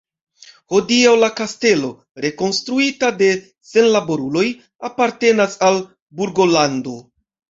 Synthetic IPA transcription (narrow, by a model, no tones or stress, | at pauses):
ho̞diawlakaste̞lo̞ | ɾe̞ko̞nstɾuitade̞ | se̞nlabo̞ɾulo̞j | apaɾte̞nasal | buɾɡo̞lando̞